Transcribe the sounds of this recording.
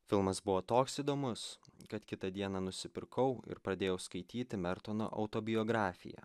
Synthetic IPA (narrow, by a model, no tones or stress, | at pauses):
fʲɪlˠmɐsbʊʋoːt̪oːksiːd̪oːmʊskɐt̪kʲɪt̪ɐd̪ʲiɛnɑnʊsʲɪpʲɪɾkɐʊɪ̰ɾpɾɐd̪ʲeːjɛʊskɐɪt̪ʲiːt̪ʲɪmʲɛɾt̪ono̰ːʔɐ̰ʊt̪oːbʲɪjoːɡɾɑːfʲɪ̰jɛ̰